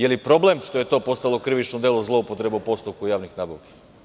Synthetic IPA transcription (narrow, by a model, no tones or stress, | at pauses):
jelipɾo̞ble̞mʂt̪o̞je̞t̪o̞ːpo̞st̪alo̞kɾiʋit͡ʃnod̪elˠuzlˠo̞upot̪ɾe̞beupo̞st̪up̚kujaːʋnixnaːbaʋki̥